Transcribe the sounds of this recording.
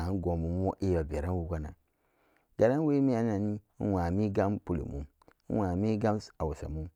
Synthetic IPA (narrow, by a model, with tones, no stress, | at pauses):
n˦ɡo˨mu˨˦mo˦ʔe˦˨ba˨be˨ɾa˦nwu˦ɡʷa˦na̰˨ | ɡ̥a˨ɾa˦n˦we˦mi˦a˨na˨ni˦wa˨mi˦ɡa˦mpu˦lḭ˨mṵ˨˦ | wa˨mi˦ɡa˦msa˨wu˨sa̰˨mu˦